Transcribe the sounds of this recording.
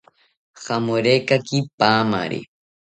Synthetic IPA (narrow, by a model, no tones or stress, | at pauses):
xamoɾekakipaːma̰ɾḭ